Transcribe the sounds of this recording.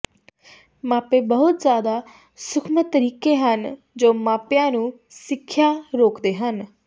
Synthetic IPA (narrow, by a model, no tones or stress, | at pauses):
maːpeːbəɦʊt̪zjaːd̪aː | sʊkʰmət̪əɾiːkeːɦən | d͡ʒoːmãːpjãːnũː | sɪkʰːjaːɾoːkd̪eːɦən